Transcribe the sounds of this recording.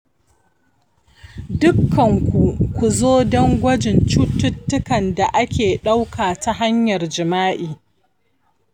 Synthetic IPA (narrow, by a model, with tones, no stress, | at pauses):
dʊ˦kʰːɐ˨ŋkʷu˨kʷu˨zoː˦dɔ˦ŋɡʷɐ˦d͡ʒɪ˨nt͡ʃuː˦tːʊ˦tːʊ˦kɐ˨nda˨ʔa˦kʲeː˨ɗa˦wkʰaː˨ta˦ɦa˦ɲjɐ˨rd͡ʒɪ˨maː˦ʔiː˨